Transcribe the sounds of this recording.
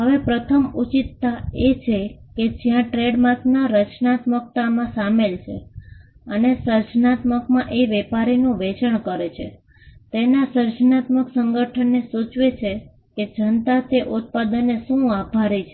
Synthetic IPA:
ɦəʋepɾət̪ʰəmut͡ʃit̪ːaet͡ʃʰeked͡ʒijãʈɾeɖmãt̪naɾət͡ʃnat̪mək̚t̪amãsamelt͡ʃʰe | ənesəɾd͡ʒnat̪məkmãʔeʋɛpaɾinũʋet͡ʃəɳkəɾet͡ʃʰe | t̪enasəɾd͡ʒnat̪məksəŋɡəʈʰənːesut͡ʃʋet͡ʃʰe | ked͡ʒənt̪at̪eʔut̪̚pad̪ənːeʃũabʱaɾit͡ʃʰe

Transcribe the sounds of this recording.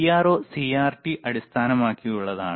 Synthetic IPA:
jaːro̞ːsiːaːrʈiʔɐɽist̪ʰaːnɐmaːkːijuɭːɐða̰ːɳ

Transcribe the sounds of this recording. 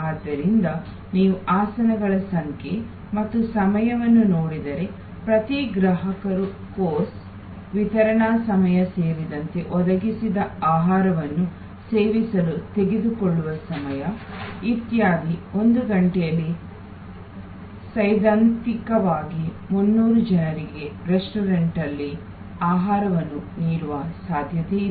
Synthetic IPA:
aːd̪ːɐɾind̪ɐ | niːʋuʔaːsɐnɐɡɐɭɐsɐŋkʰe | mɐt̪ːusɐmɐjɐʋɐnːunoːɽid̪ɐɾe̞ | pɾɐt̪iɡɾɐɦɐkɐɾu | koːs | ʋit̪ɐɾɐɳaːsɐmɐjɐseːɾid̪ɐnt̪e̞ʔɔd̪ɐɡisid̪ɐaːɦaːɾɐʋɐnːu | seːʋisɐlut̪e̞ɡed̪ukɔɭːuʋɐsɐmɐjɐit̪jaːɡio̞nd̪uɡɐɳʈɛjɐlːi | sɐjd̪aːnt̪ikɐʋaːɡi | munːuːɾud͡ʒɐnɐɾiɡe̞ɾesʈuɾeɳʈɐlːi | aːɦaːɾɐʋɐnːuniːɾuʋɐsaːd̪ʱjɐt̪e

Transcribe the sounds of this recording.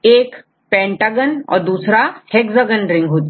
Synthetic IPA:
ek | pɛ̃ɳʈaɡənɔ̰ɾd̪usɾahekd͡zaɡənɾiŋɡɦot̪

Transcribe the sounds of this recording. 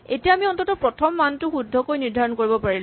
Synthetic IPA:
etijaamiɔntɔtɔpɹɔtʰɔmːantʊxudʱːɔkojniɹdʱaɹɔnkoɹibɔpaɹil

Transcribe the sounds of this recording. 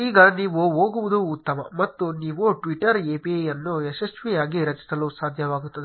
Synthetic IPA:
iːɡaːniːʋoːʋoːɡuʋud̪uːt̪ːɐmɐ̰mɐt̪ːuniːʋoːʈʋiʈːɐɾeːpijɐnːoːesɐsʋiaːɡiɾɐt͡ʃɐ̥t̪ɐloːsaːd̪ʱjɐʋaːɡut̪und̪i

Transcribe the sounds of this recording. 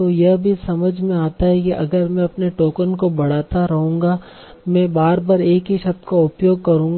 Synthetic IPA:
t̪ojɐbʱisɐməd͡ʒʱmẽaːt̪aɦɛkiʔɐ̰ɡəɾmɛ̃ɐpneʈoːkənkobɐɽ̤aːt̪aɾɐɦũːŋɡa | mɛ̃ːbaːɾbaɾeːkɦiʃɐb̚t̪kaʊpjoːɡ̚kɐɾũːŋɡ

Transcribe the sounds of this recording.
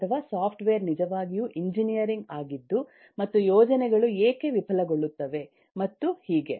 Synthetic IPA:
t̪ʰɐʋaːsaːpʰʈʋejɐɾnid͡ʒɐʋaːɡijuʔiɲd͡ʒinijɐɾiŋɡaːɡid̪ːu | mɐt̪ːujoːd͡ʒɐnɛɡɐɭueːkeʋipʰɐlɐɡo̞ɭːut̪ːɐʋe̞ | mɐt̪ːuhiːɡe̞

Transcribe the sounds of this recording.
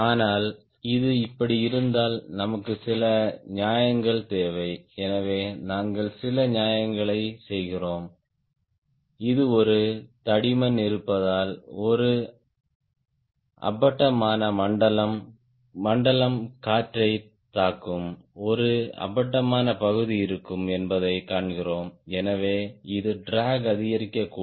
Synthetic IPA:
aːnaːl | ɪðɯɪpːɐɽiɪɾɯnd̪aːlnɐmɐkːɯsɪlɐɲaːjɐŋɡɐɭt̪eːʋɐɪɛnɐʋeːnaːŋɡɐɭsɪlɐɲjaːjɐŋɡɐɭɐɪsɛjɣɪroːm | ɪðɯɔɾɯt̪ɐɽɪmɐnɪɾɯpːɐðaːlɔɾɯ | ʔɐ̰bɐʈːɐmaːnɐmɐɳɖɐlɐmː | ɐɳɖɐlɐmkaːʈɾɐɪ | t̪ːaːkːɯmɔɾɯɐ̰bɐʈːɐmaːnɐpɐɣɯðiɪɾɯkːɯmɛnbɐðɐɪkaːɳɣɪroːmɛnɐʋeːɪðɯɖɾaːɡɐðɪɣɐɾɪkːɐkːuː

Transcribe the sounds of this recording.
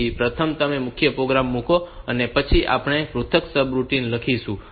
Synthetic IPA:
ipɾət̪ʰəmt̪əmemʊkʰjəpɾoɡɾamːũkoənepət͡ʃʰiʔa̰pɽ̃epɾut̪ʰəksəbɾuʈinləkʰiʃũ

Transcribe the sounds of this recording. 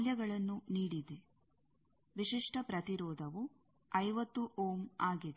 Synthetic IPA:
ljɐɡɐɭɐnːuniːɽid̪e | ʋiʂiʂʈɐpɾɐt̪iɾɔːd̪ʱɐʋu | ɐjʋɐt̪ːuʔoːmaːɡid̪e

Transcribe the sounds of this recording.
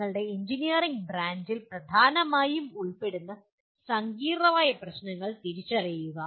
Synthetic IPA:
ɐɭɨɽe̞eɲd͡ʑinijɐriŋɡbɾaːnd͡ʑilprɐd̪ʱaːnɐmaːjumuɭpe̞ɽunːɐ | sɐŋɡiːrɐʋaːjɐprɐɕnɐŋːɐɭt̪iɾit͡ɕːɐrijuɣɐ

